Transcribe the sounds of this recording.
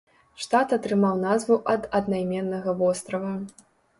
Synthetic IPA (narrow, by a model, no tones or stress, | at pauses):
ʂt̪at̪ɐt̪ɾɨmawnazvuʔɐd̪ɐd̪najmʲɛnːɐɣɐvɔst̪ɾɐvɐ